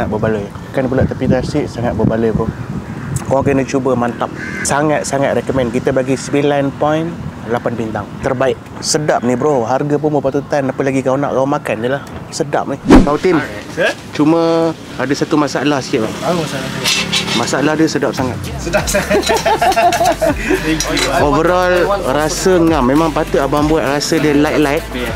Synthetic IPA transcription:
at̪̚bəbaləj | akanbulaʔt̪əpit̪asiʔsaŋat̪̚bəbaləjpʊn | kɔkənət͡ʃubəmant̪ap̚saŋat̪̚saŋat̪̚rɛkɔmɛnkit̪əbaɡisəbilanpɔjnlapanbint̪aŋt̪ərbaɪʔ̚ | sədap̚nibəɾoɦarɡap̬ʊnbəpat̪ut̪anːapəlaɡikauna̰ʔkaumakandəlahsəda̰p̚nikaut̪im | t͡ʃumə | adəsat̪umasaʔlahsi̥kaʔba | masalahdəsədap̚saŋat̪̚ | ovəɾalɾasəŋamːemaŋpat̪əabambuaʔ̪̚rasədəlajt̪̚lajt̪̚

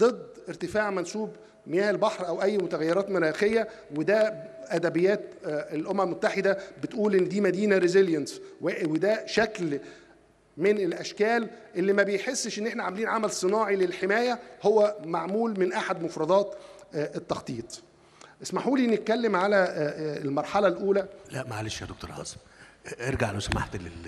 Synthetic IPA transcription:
d̪ˤed̪ːeɾt̪ɪfaːʕmænsuːb | mejæːʔelbɑħɾʔæwʔæjːmot̪æɣæjːeɾˤɑːt̪meɾæːxejːæ | wed̪æʔæd̪æbejːæːt̪elʔomæmmot̪ːaħed̪æbet̪ʔuːlʔenːd̪iːmæd̪iːnæɾezeljænswewed̪æʃækl | menelʔæʃkæːlʔelːimæbejħesːʃʔenːʔeħnæʕamæliːnʕamælsˤɨnɑːʕilelħemæːjæhowːæmaʕmuːlmenʔaħad̪mofɾˤɑd̪ˤɑːt̪ʔet̪ːɑxt̪ˤiːt̪ˤ | ʔesmaħuːlinːet̪̚kælːemʕalælmɑɾˤħɑlɑlʔuːlælæʔmæʕaleʃjæ̰d̪okt̪o̰ɾhɑ̰ːsm | ʔeɾɡaʕlowsæma̰ħt̪le

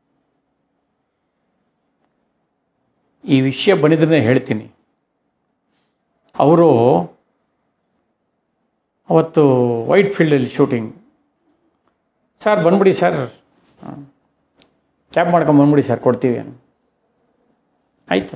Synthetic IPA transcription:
iːʋiʂɐjɐbɐnːid̪ɾinːeɦe̞ːɭt̪iːni | ɐ̰ʋɾu | ɐʋɐt̪ːuʋɐ̰jʈpʰiɭɖɐlːiʃuːʈiŋɡ | saːɾbɐnbiɽisaːɾ | kʲaːpmaːɽkɐmbɐnbiɽisaːɾkoɽt̪iːʋiɐ̰nu | aːjit̪u

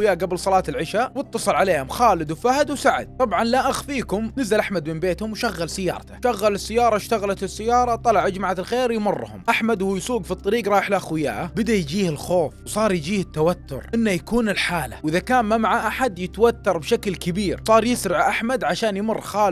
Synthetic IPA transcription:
wjaːʔɡabɪlsˤɑlɑːt̪ɪlʕɪʃawɨt̪ːɑsˤɨlʕaleːhʊmxɑːlɪd̪wfahd̪wsaʕa̰d̪̚t̪ˤɑbʕɑnlaʔaxfiːkʊmnɪzːalʔaħmad̪mɪnbeːt̪hʊmwʃaɣːalsɪjːɑ̰ːɾˤɑt̪ḁʃaɣːalɪsːɪjːɑːɾˤɑʃt̪aɣalat̪ɪsːɪjːɑːɾˤɑt̪ˤːɑlɑʕʔad͡ʒmaʕat̪ɪlxeːɾjmʊrːhʊ̰mʔaħmad̪whuːjsuːɡfit̪ˤːɑɾiːɡɾˤɑːjɪħlʔaxwɪja̰ːʔabɪd̪ajd͡ʒiːhɪlxoːfwsˤɑːɾˤjd͡ʒiːhɪt̪ːawat̪ːʊ̰ɾʔɪnːajakuːnɪlħaːla̰wʔɪðakaːnmamaʕaʔaħad̪jɪt̪awat̪ːɑɾˤbʃaklkɪbiːɾsˤɑːɾˤjɪsɾɪʕʔaħmad̪ʕaʃaːnjmʊrˤːxaː

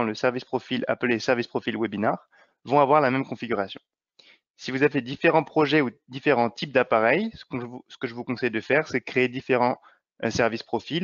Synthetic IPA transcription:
ləsɛʁvispχɔfila̰plesɛʁvispχɔfilwebinaʁ | vɔ̃avwaʁlamɛmkɔ̃fiɡʲyʁasjɔ̰̃ | sivuzavɛd̪ifeʁɑ̃pχɔʒɛud̪ifeʁɑ̃t̪ʰip̚d̪apaʁɛjsə̥kɔ̃sə̥kəʒəvukɔ̃sɛjd̪əfɛʁsɛkχeːd̪ifeʁɑ̃ | sɛʁvispχɔfil

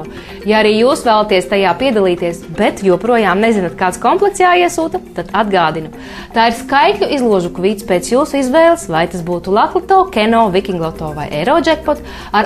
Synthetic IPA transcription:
jaaɾiːjuːsvæːlˠat̪iɛst̪ajaːpiɛd̪alˠiːt̪iɛsbɛt̪juɔpɾuɔjaːmnezinat̪̚kaːt̪skɔmplˠɛksjaːiɛsuːt̪at̪ad̪ad̪ɡaːd̪inu | t̪aːiɾskajklʲuʔizlˠuɔʒukvʲiːt̪speːt̪sjuːsuizʋɛːlˠsvajt̪asbuːt̪ulˠat̪lˠat̪ɔːkɛnɔːvikʲiŋɡlˠɔt̪ɔːva̰jʔɛɾɔːd͡ʒɛk̚pɔt̪ | aɾ

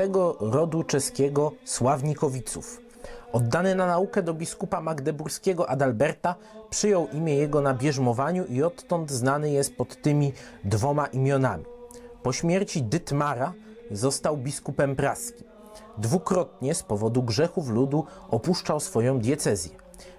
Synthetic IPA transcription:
t̪ɛɡɔɾɔd̪ut͡ʂɛskʲɛɡɔswavɲikɔvʲit̪suf | ɔd̪ːanɛnanaukɛd̪ɔbʲiskupamaɡd̪ɛbuɾskʲɛɡɔʔad̪albɛɾt̪a | pʂɘjɔwʔimʲjɛjɛɡɔnabʲjɛʐmɔvaɲuʔiɔt̪ːɔnd̪znanɘjɛst̪̚pɔt̪ːɘmʲid̪vɔmaʔimʲjɔnamʲipɔɕmʲjɛɾt͡ɕid̪ɘt̪maɾazɔst̪awbʲiskupɛmpɾaskʲi̥ | d̪vukɾɔt̪ɲɛspɔvɔd̪uɡʐɛxuflud̪uɔpuʂt͡ʂawsfɔjɔ̃w̃d̪ʲjɛt̪sɛzʲjɛ

